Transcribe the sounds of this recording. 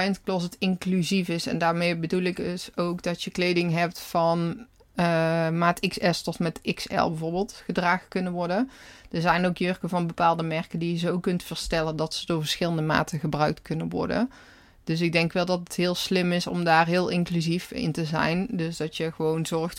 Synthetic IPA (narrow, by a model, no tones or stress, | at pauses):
jəntklɔs̬ətɪŋklyzifɪsɛ̰ndaːɹmejbədulˠɪksowkdɑtjəklejdɪŋɦɛp̚tfɑn | əmaːtɪksɛstɔtmɛtɪksɛ̰lˠbəvoːɹbɪːlˠtxədraːɣəkɵnənʋɔɹdənd̥əɹzɛjnowkjørkəvɑnbəpaːlˠdəmɛɹkəndijəzowkɵntfəɹstɛləndɑtsədʊːɹvəɹsxɪləndəma̰ːtəɣəbrœɥk̚tkɵnənʋɔ̰ɹdə̰n | d̥ɵs̬ɪɡ̚dɛŋkʋɛlˠdɑtətɦɪːlˠslɪmɪsɔ̰mdaːrɦɪːlˠɪŋklyzifɪ̰ntəzɛ̰jndɵsdɑtjəɣəʋownzɔɹxt